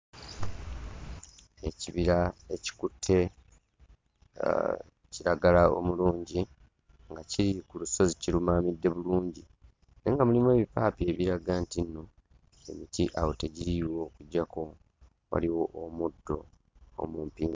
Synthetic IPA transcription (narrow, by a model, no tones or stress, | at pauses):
e̞ciβiɾae̞ci̥kutʰːe̞ | ciɾaɡalao̞̰muluːɲɟi | ŋɡaciɾikuluso̞ziciɾumaːmidːe̞βuluːɲɟi | ne̞ŋɡamulimwe̞ːβipaːpie̞βiɾaɡaːntinːo | e̞̰mitiʔawote̞ɟiɾiwo̞ːkuɟːako̞ | wa̰liwo̞ʔomudːo̞̰ | o̰muːmpiːŋɡ